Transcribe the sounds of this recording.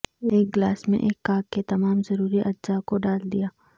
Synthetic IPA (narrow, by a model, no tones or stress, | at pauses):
eːk̚ɡlaːsmḛ̃ʔeːkːaːkːet̪ɐmaːmzɐɾuːɾiʔɐdd͡ʒakoɖaːld̪ijaː